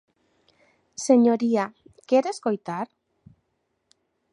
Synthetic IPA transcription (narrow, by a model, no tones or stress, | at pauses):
se̞ɲoɾiakeɾesko̞jt̪aɾ